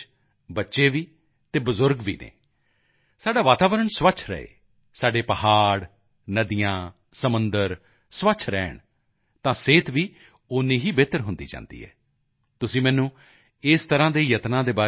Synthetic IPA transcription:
bətːʃeːʋiː | t̪eːbəzʊɾɡʋḭːnḛː | saːɖaːʋaːt̪aːʋəɾəɳsʋət͡ʃʰɾə̰ḛː | saːɖeːpəhaːɽ | nəd̪ijãː | səmənd̪əɾ | sʋət͡ʃʰɾɛ̰ːɳ | t̪ãːseːt̪ʋiː | ʊnːĩːɦiːbeːt̪əɾɦʊnd̪ḭːd͡ʒã̰ːnd̪ḭːɦɛ̰ː | t̪ʊsĩːmɛːnũː | ɪst̪əɾãːd̪eːjət̪nãːd̪eːbaː

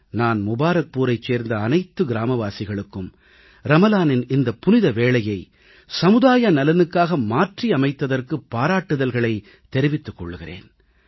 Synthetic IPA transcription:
naːnmʊbaːɾɐk̚puːɾɐɪt͡ʃːeːɾnd̪ɐːnɐɪt̪ːɯɡɪɾaːmɐʋaːsɪɣɐɭɯkːɯm | ɾɐmɐlaːnɪnɪnd̪ɐpʊnɪðɐʋeːɭɐjɐɪ | sɐmɯðaːjɐnɐlɐnɯkːaːɣɐmaːʈriɐmɐɪt̪ːɐðɐrkɯpːaːɾaːʈːɯðɐlɣɐɭɐɪ | t̪ːɛɾɪʋɪt̪ːɯkːɔ̰ɭːɯɣɪrḛːn

